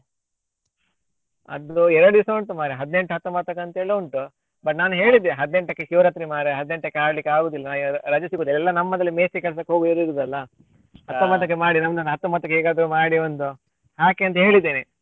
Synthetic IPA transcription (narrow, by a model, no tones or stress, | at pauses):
ɐ̰d̪uɛɾɐɽud̪isɐɳʈumaːɾeɦɐd̪ne̞ɳʈuɦɐt̪ːɐmaːt̪ɐkːɐnt̪ɐeːɭuɳʈu | bɐʈnaːnuɦe̞ːɭid̪ːeɦɐd̪ne̞ɳʈɐkːeʃiʋɾɐt̪ɾimaːɾeɦɐd̪ːne̞ɳʈɐkːeaːɽlikːeaːɡoːd̪ilːɐnaːjuɾɐd͡ʒɐsiɡoːd̪ilːɛlːɐnɐmːɐd̪ɐlːimeːsekɛɭɐs̬ɐkːeɦo̞ːɡuiɾiɾuːd̪ɐlːɐ | hɐt̪ːɐmaːt̪ɐkːemaːɽinɐmːnaːnːɐɦɐt̪ːɐmaːt̪ɐkːeɦeːɡaːd̪ɾumaːɽiʋond̪u | haːkeːɐnt̪ɐɦe̞ːɭid̪ːeːne